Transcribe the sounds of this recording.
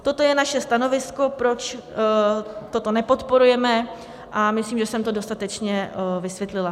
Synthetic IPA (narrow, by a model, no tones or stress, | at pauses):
t̪o̞t̪o̞jɛnaʃɛst̪ano̞vɪsko̞pɾo̞t͡ʃ | t̪ot̪o̞nɛpo̞t̪po̞ɾujɛmɛ | ʔamɪsliːmʒɛsɛmt̪o̞do̞st̪at̪ɛt͡ʃɲɛvɪsvjɛt̪lɪla